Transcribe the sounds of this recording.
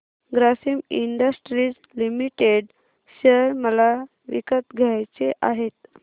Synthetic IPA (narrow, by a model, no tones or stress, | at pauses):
ɡɾasimiɳɖəsʈɾid͡z | limiʈeɽ | ɕəɾməla | ʋḭkət̪ɡʱjajt͡seʔaɦet̪